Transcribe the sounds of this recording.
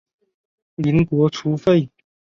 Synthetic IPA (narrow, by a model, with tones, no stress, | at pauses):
liː˨˥nkʷɔː˨˥t͡sʰuː˨˥fe˥˧j